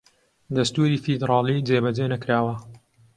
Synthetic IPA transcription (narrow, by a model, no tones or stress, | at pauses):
d̪ɐst̪uːɾiːfid̪ɾɑːliːd͡zeːbɐd͡ʒeːnɐkɾaːwɐ